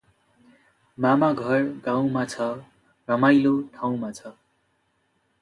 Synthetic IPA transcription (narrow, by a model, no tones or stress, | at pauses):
mamaɡʱʌrɡãw̃mat͡sʰʌ | rʌmajloʈʰaw̃mat͡sʰʌ